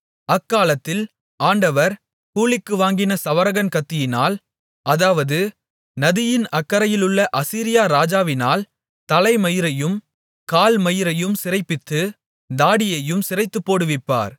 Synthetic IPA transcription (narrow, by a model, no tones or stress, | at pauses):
ɐkːaːlɐt̪ːɪl | ʔaːɳɖɐʋɐɾ | kuːlɪkːɯʋaːŋɡɪnɐsɐʋɐɾɐɣɐnkɐt̪ːɪjɪnaːl | ʔɐðaːʋɐðɯ | nɐðɪjɪnɐkːɐɾɐjɪlɯɭːɐʔɐsiːɾɪjaːɾaːd͡ʒaːʋɪnaːl | t̪ɐlɐɪmɐjɪɾɐjɯm | kaːlmɐjɪɾɐjɯmsɪɾɐɪpːɪt̪ːɯ | d̪aːɽɪjɐjɯmsɪrɐɪt̪ːɯpːoːɽɯʋɪpːa̰ːɾ